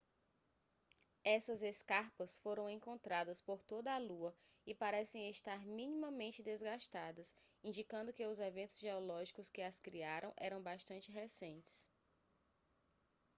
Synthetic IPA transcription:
ɛsɐzeskaɾpɐsfoɾɐ̃w̃ẽŋkõnt̪ɾad̪ɐspoɾt̪od̪ɐːluɐɪpaɾɛsẽj̃est̪aɾmĩnĩmɐmẽnt͡ʃɪd̪ezɡaʃt̪ad̪ɐsĩd͡ʒikɐ̃nd̪ʊkɪʊzevẽnt̪ʊzʒeɔlɔʒikʊskɪɐskɾiaɾʔɐ̃w̃ʔɛɾɐ̃w̃baʃt̪ɐ̃nt͡ʃɪɦesẽnt͡ʃɪ̥s

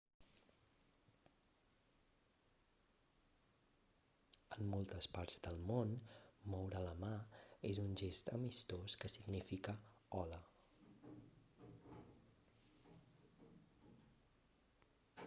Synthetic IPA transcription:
əmːolˠt̪əspaɾz̥d̪əlˠmonmɔwɾələmaezunʒest̪əmist̪oskəsiɡnifikə | ɔlə

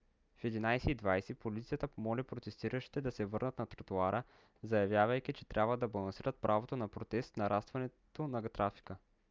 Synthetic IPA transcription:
fɛd̪inajsɛid̪vajsɛpolit̪sijət̪əpomɔlipɾot̪ɛst̪iɾəʃi̥t̪ɛd̪ɐsɛvɤɾnət̪nɐt̪ɾɐt̪uaɾə | zɐjɐvjavəjk̟it͡ʃɛ̥t̪ɾʲʔabvəd̪ɐbɐlˠɐnsiɾət̪̚pɾʔavot̪onɐpɾot̪ɛst̪nɐɾʔast̪vɐnɛt̪onɐɡt̪ɾafi̥kə

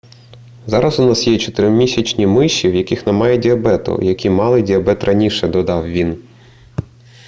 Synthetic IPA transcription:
zɑɾɐzʊnɑsjɛt͡ʃɔt̪ɪɾɪmʲisʲɐt͡ʃnʲimɪʃːiwjɐkɪxnɛmɑjɛdʲiɐbɛt̪ʊ̰jɐkʲimɑlˠɪdʲiɐbɛt̪rʔɐnʲiʃɛd̪ɔd̪ɑwʋʲin

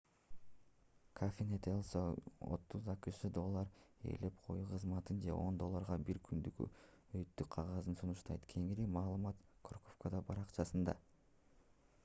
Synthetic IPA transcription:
kʰafʲenet̪ʰeolˠsoo̰t̪ːuzɑkɯʃɯd̪o̞lˠːɑɾe̞̰ːle̞p̚qʰo̞̰juqʰɯzmɑt̪ɯnd͡ʒe̞̰ʔo̞̰nd̪o̞lˠːɑɾʁɑbiɾkʰynd̪yɡy̰ | øjt̪ːykqʰɑʁɑzɯnsunuʃt̪ɑ̰jt̪kʲʰe̞ŋiɾimɑːlˠɯmɑt̪kʰorkofkod̪ɑbɑɾɑqt͡ʃɑsɯnd̪ɑ

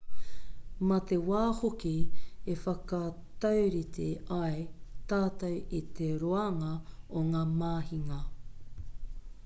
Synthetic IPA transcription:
mɐt̪ewaːhokiefɐkɐ | t̪ɐwɾit̪ʰeɐjt̪aːt̪ɐwit̪eɾoɐŋɐoŋaːmaːhiŋɐ

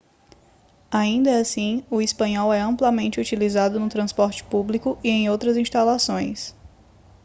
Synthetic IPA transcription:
aĩnd̪ɐasĩʊispɐ̃ɲɔwɛɐ̃mplɐmẽnt͡ʃɪut͡ʃilizad̪ʊnʊt̪ɾɐ̃spɔɾt͡ʃɪ̥publikʊʔiẽj̃owt̪ɾɐzĩʃt̪alasõj̃s

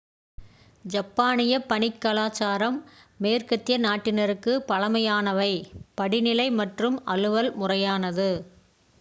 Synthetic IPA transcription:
d͡ʒɐpːaːnɪjɐpɐɳɪkːɐlaːt͡ʃaːɾɐmːeːrkɐt̪ːɪjɐnaːʈːɪnɐɾɯkːɯpɐɭɐmɐjaːnɐʋɐɪpɐɽɪnɪlɐɪmɐʈrɯmɐlɯʋɐlmʊrɐjaːnɐðɯ

